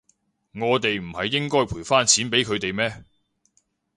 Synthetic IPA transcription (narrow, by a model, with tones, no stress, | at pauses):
ŋɔː˨˧t̪e˨jm̩˨˩hɐ˨jːɪ˥ŋkɔː˥jpʰuː˨˩faː˥nt͡sʰiː˨˥npe˨˥jkʰɵ˨˧ɥt̪e˨jmɛː˥